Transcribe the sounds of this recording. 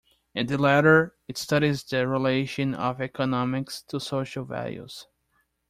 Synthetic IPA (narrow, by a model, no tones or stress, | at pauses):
ɨ̃nðɨlæɾə˞ɨtstʌɾizðɨɹileɪʃɨ̃nʌ̰vɛkənɑmɪkstʰusoʃəlˠvæ̰lˠjṵz̥